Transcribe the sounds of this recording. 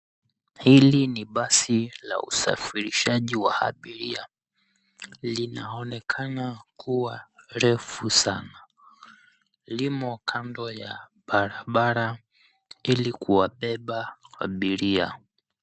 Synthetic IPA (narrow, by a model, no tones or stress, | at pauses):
hiliniɓasila̰ṵsa̰fiɾiʃaʄiwa̰ha̰ɓiɾia | linaɔnɛkʰanakuwaɾɛfusana | limɔkʰandɔjaɓaɾaɓaɾa | ilikuwaɓɛɓaha̰ɓiɾia̰